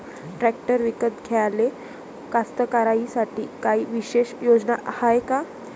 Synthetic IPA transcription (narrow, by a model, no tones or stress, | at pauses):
ʈɾæk̚ʈəɾʋikət̪ɡʱeale | kast̪əkaɾaisaʈʰḭːkaɦiːʋiɕeɕjod͡znaʔahajka